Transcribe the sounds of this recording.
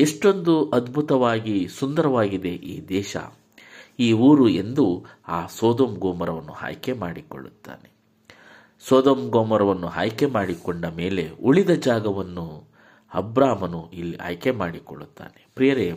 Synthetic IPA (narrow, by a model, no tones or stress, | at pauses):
eʂʈo̞nd̪uʔɐd̪bʱut̪ɐʋaːɡisund̪ɐɾɐʋaːɡid̪e̞ʔiːd̪ɛːʃɐ̰ | iːuːɾue̞nd̪uaːsɔːd̪oːmɡoːmɐɾɐʋɐnːṵha̰ːjke̞maːɽikoɭːut̪ːa̰ːne | soːd̪oːmɡoːmɐɾɐʋɐnːuɦa̰ːjke̞maːɽikɔɳɖɐmeːle̞uɭid̪ɐd͡ʒaːɡɐʋɐnːu | ɐ̰bɾaːmɐnuilːiʔa̰ːjkemaːɽikoɭːut̪ːa̰ːnepɾijɐɾe